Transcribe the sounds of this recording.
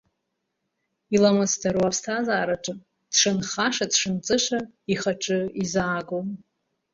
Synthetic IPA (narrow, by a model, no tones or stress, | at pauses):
ilamɨstʰaɾwapʰstʰazaːɾaʈ͡ʂʼɨm | d̥ʂɨnχaʂadʂɨnt͡sʼɨʃʷaiχaʈ͡ʂʼɨizaːɡom